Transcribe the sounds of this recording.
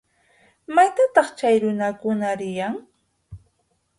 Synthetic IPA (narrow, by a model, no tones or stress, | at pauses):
majt̪at̪ɑχt͡ʃajɾʊnakʊnaɾɪjaŋ